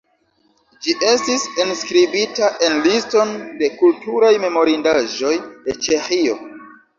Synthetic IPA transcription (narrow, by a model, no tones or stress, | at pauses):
d͡ʒiʔe̞stisenskɾibitaʔe̞nlisto̞nde̞kultuɾajme̞mo̞ɾindaʒo̞jde̞t͡ʃe̞xio̞